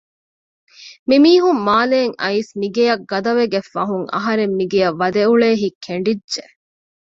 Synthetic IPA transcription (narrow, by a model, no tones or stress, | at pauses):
mimiːɦumːaːleːŋɐ̰isniɡejɐɡɐd̪ɐʋeɡefːɐɦuŋɐ̰ɦɐɾemːiɡejɐʋːɐd̪euɭeːɦikʰeɳɖidʒe